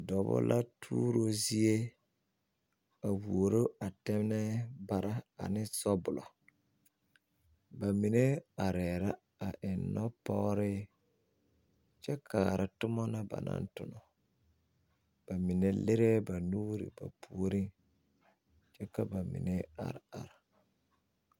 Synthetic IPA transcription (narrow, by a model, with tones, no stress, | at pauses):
dɔ˨bʊ̰˦lʔa˦tʰuː˦ɾo˦zi˦e˦ | a˨wu˨o˨ɾo˦a˨tɛ˦mnɛ˦ba˨ɾa˦a̰˨nɪ˦sɔ˦bʊ˨lɔ˨ | ba˨mi˨ne˦a˨ɾɛː˨ɾa˦ | a˨ʔɪ˨nːɔ˦pɔ˦ɣɾɪ˦ | t͡ʃɛ˦kʰa˨ɾɪ˨tʊ˦mɔ˦na˦ba̰˨na̰˦ntʊ˨nɔ˨ | b̥a˨mɪ˨ne˦lɪ˦ɾɛ˦ba˨nuː˦ɾɪ̰˨ba̰˨pu˨o˨ɾi˦n | t͡ʃɛ˦ka˦ba˨mɪ̰˨ne˦a̰˨ɾa̰˨ɾa˨